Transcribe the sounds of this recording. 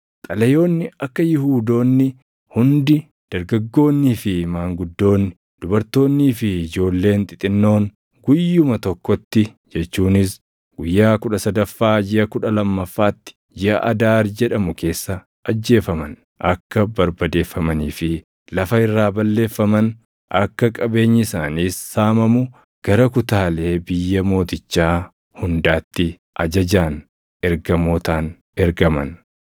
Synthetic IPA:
t̪ʼɐlɐjo̞ːnːɪɐkːɐjɪhuːd̪o̞ːnːɪ | hʊnd̪ɪ | d̪̥ɐɾɡɐɡːo̞ːnːiːfɪmaːŋɡʊd̪ːo̞ːnːɪ | d̪̥ʊbɐɾt̪o̞ːnːiːfɪɪd͡ʒo̞ːlːe̞ːnt̪ʼɪt̪ʼɪnːo̞ːŋ | ɡʊjːʊmɐt̪ɔkːɔt̪ːɪ | d͡ʒɛt͡ʃːuːnɪs | ɡʊjːaːkʊᶑɐsɐd̪ɐfːaːd͡ʒɪɐkʊᶑɐlɐmːɐfːaːt̪ːɪ̥ | d͡ʒɪʔɐ̰ʔɐd̪aːɾd͡ʒɛᶑɐmʊkʰe̞ːsːɐ | ʔɐd͡ʒːe̞ːfɐmɐn | ʔɐkːɐbɐɾbɐd̪e̞ːfːɐmɐniːfɪ | lɐfɐɪrːaːbɐlːe̞ːfːɐmɐn | ʔɐkːɐkʼɐbe̞ːɲːɪɪsaːniːsːaːmɐmʊ | ɡ̥ɐɾɐkʊt̪aːle̞ːbɪjːɐmo̞ːt̪ɪt͡ʃːaː | hʊnd̪aːt̪ːɪ | ʔɐd͡ʒɐd͡ʒaːn | ɛɾɡɐmoːt̪aːn | ɛɾɡɐmɐ̰n

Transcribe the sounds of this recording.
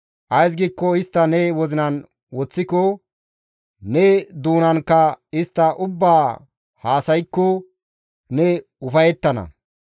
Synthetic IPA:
ʔɐjs̬ɡiːkːɔɪst̪ːɐnɛwɔzɪnɐn | wɔt͡sːɪkɔ | nɛd̪uːnɐnkːɐɪst̪ːɐʔʊbːaː | haːsɐjkːɔ | nɛ | ʊfɐjɛt̪ːɐnɐ̰

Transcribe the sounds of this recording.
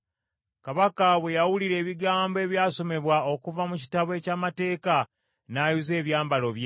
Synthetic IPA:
kaβakaβwe̞jawuliɾe̞ːβiɡaːmboe̞ːβjaːso̞me̞βwaokuvamuci̥taβwe̞caːmate̞ːka | naːjuze̞ːβjaːmbalo̞βje

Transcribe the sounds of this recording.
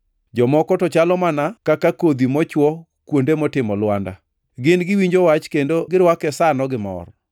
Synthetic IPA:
d͡ʒɔmɔkɔtɔt͡ʃalɔmanakakakod̪imɔt͡ʃwɔ | kwondemɔtɪmɔlwanda̰ | ɡɪnɡɪwiɲd͡ʒowat͡ʃkendoɡɪɾwakɛsanɔɡɪmɔ̰r

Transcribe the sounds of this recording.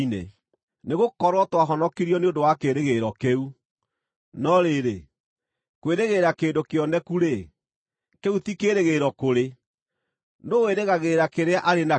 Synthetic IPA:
nḛ | neɣokɔɾwɔtwaɦɔnɔkiɾiɔneondowakeɾeɣeɾɔkeu | nɔɾeɾe | kweɾeɣeːɾakeːndokeɔnɛkuɾe | keutikeɾeɣeɾɔkoɾe | noweɾeɣaɣeɾakeɾeaʔaɾena

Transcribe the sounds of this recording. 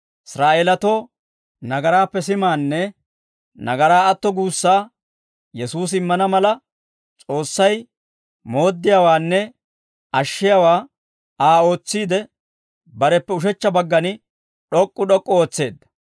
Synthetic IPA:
ɪsɾaːeːlɐt̪oː | nɐɡɐɾaːpːɛsɪmaːnːɛ | nɐɡɐɾaːɐt̪ːɔɡuːsːaː | jɛsuːs̬ɪmːɐnɐmɐlɐ | t͡sʼo̞ːsːɐj | mo̞ːd̪ːɪjawaːnːɛ | ɐʃːɪjawaː | aːo̞ːt͡sːiːd̪ɛ | bɐɾɛpːɛʊʃ̬ɛt͡ʃːɐbɐɡːɐnɪ | ɗɔkʼːʊɗɔkʼːɔo̞ːt͡sːe̞ːd̪ːɐ̥

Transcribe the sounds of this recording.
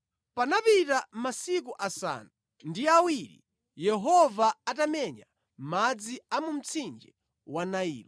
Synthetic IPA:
panapitamasik̬uʔasa̰nu | ndiawiɾḭ | jɛɦɔvaatamɛɲa | mad͡ziamum̩t͡sʰind͡ʒɛ | wanaḭːɾɔ

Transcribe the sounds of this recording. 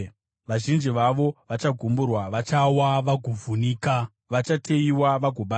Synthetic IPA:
ʋaʒind͡ʒiʋaʋo̞ʋat͡ʃaɡʱumburwaʋat͡ʃawaʋaɡʱuvuniːka | ʋat͡ʃatʰe̞iwaʋaɡʱoɓa

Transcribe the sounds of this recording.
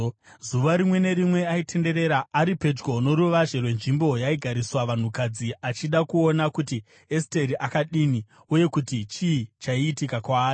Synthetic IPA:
zuʋaɾimwe̞ne̞ɾimwe̞aitʰe̞nde̞ɾe̞ɾaːɾipe̞d͡ʒɡo̞no̞ɾuʋaʐerwe̞nʐimbo̞jaiɡʱaɾiswaʋan̤ukad͡ziat͡ʃiɗakuonakuti | este̞ɾiʔakaɗini | uje̞kutit͡ʃiːt͡ʃaiːtikakwaːri

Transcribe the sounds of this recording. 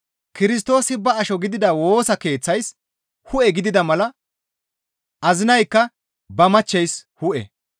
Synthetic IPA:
kɪɾɪst̪o̞ːsɪbɐɐʃɔɡɪd̪ɪd̪ɐwo̞ːsɐke̞ːt͡sːɐjs | hʊʔɛɡɪd̪ɪd̪ɐmɐlɐ | ʔɐzɪnɐjkːɐ | bɐmɐt͡ʃːɛjshʊʔɛ̰

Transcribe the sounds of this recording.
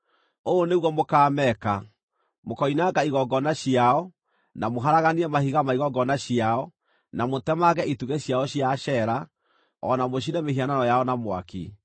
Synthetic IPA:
oːneɣwɔmokaːmɛka | mokɔinaɡaiɣɔɡɔnaɕiaɔ | namoɦaɾaɣaniɛmahiɣamaiɣɔɡɔnaɕiaɔ | namotɛmaɣɛituɣeɕjaɔɕiaɕɛɾa | ɔ̰namoɕ̬iɾɛmehiananɔjaɔnamwa̰kḭ

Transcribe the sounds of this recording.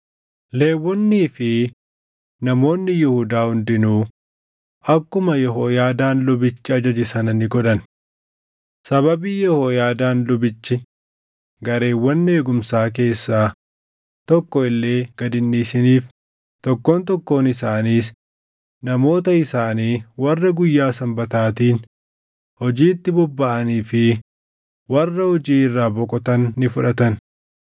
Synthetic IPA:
le̞ːwːɔnːiːfɪ | nɐmo̞ːnːɪjɪhʊd̪aːhʊnd̪ɪnuː | ɐkːʊmɐjɛɦoːjaːd̪aːnlʊbɪt͡ʃːɪɐd͡ʒɐd͡ʒɪsɐnɐnɪɡɔᶑ̪ɐn | sɐβɐbiːjɛhoːjaːd̪aːnlʊbɪt͡ʃːɪ | ɡɐɾe̞ːwːɐnːɪe̞ːɡʊmsaːk̬e̞ːsːaː | t̪ɔkːɔɪlːe̞ːɡ̥ɐd̪ɪnːiːsɪniːf | t̪ɔkːoːnt̪ɔkːo̞ːnɪsaːniːs | nɐmo̞ːt̪ɐɪsaːniːwɐrːɐɡʊjːaːsɐmbɐt̪aːt̪iːn | hɔd͡ʒiːt̪ːɪbɔbːɐʔɐniːfɪ | wɐrːɐhɔd͡ʒiːɪrːaːbɔkʼɔt̪ɐnːɪfʊᶑɐt̪ɐn

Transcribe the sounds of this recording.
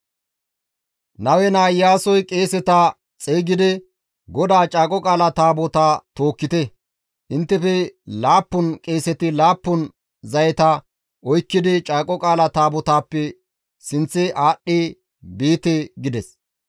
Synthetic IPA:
nɐwɛnaːjːaːsɔjkʼe̞ːsɛt̪ɐ | t͡sʼeːɡɪd̪ɛ | ɡɔd̪aːt͡ʃʼaːkʼɔkʼaːlɐt̪aːbɔt̪aːt̪o̞ːkːɪt̪ɛ | ʔɪnt̪ːɛfɛlaːpːʊnkʼe̞ːsɛt̪ɪlaːpːʊn | zɐjɛt̪ɐ | ʔɔjkːɪd̪ɪt͡ʃʼaːkʼɔkʼaːlɐt̪aːbɔt̪aːpːɛ | sɪnt͡sːɪʔaːɗːɪ | biːt̪ɛɡɪd̪ɛs

